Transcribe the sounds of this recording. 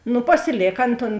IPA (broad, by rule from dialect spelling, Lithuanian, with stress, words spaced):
ˈnʊ pɐsʲɪˈlʲeːk ˈɐn toːn